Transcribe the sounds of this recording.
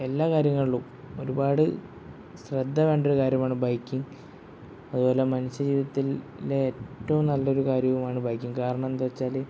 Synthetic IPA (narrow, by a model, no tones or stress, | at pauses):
e̞lːaːkaːɾjɐŋːɐɭiɭum | o̞ɾubaːɽɨ | srɐd̪ʱːɐʋe̞ːɳɖo̞ɾukaːɾjɐmaːɳɨbɐjkʲːiŋ | ɐðubo̞ːle̞mɐnuɕːɐd͡ʑiːiðɐt̪ːilː | eeːtːɐʋumnɐlːɐo̞ɾukaːɾjɐʋumaːɳɨbɐjkʲːuŋkaːɾɐɳɐmend̪uʋɐt͡ɕːaːle